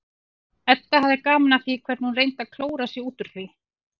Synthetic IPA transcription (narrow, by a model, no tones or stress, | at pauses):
ɛt̪ːahavðɪkaːmnaθikʰvɛɾt̪hunreːjnt̪aðkʰloːwɾasjɛuːt̪ʏɾ̥θi